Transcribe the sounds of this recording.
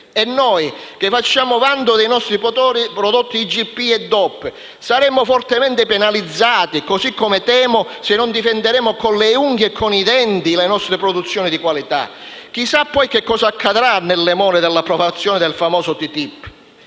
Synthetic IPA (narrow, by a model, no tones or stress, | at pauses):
ɛnːɔjk̟efːat͡ʃːaːmʊvand̪ʊd̪ɛjnɔst̪ɾipt̪ɔɾipɾɔd̪ot̪ːid͡ʒipːiɛd̪ːɔpː | saɾɛmʊfɔrt̪emɛnt̪ɪpɛnalid̪zːaːt̪ikosikːɔmɪt̪ɛːmʊsɪnːɔnd̪ifɛnd̪eɾɛːmʊkɔnlɛuŋɡɛkʰːɔnid̪ɛnt̪ilenɔst̪ɾɪpɾɔd̪ut̪sːjɔːnid̪ikwalit̪a̰ | k̟isapːɔjk̟ekːɔːsaːkʰːad̪ɾanːelːɛmɔːnɪd̪ɛlːapɾɔvat̪sːjɔːnɪd̪ɛlfamɔːsʊt̪it̪ipː